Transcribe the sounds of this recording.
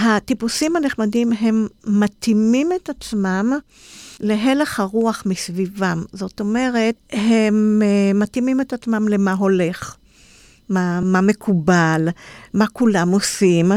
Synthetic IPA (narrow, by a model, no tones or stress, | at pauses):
hatipusimhaneχmadimɦe̞mːatimimetat͡smam | le̞ɦe̞leχhaʁuaχmisvivamzo̞to̞me̞ʁe̞t̚hemːatimime̞tat͡smamle̞maɦo̞le̞χ | mamame̞kʰubalmakulamo̞sim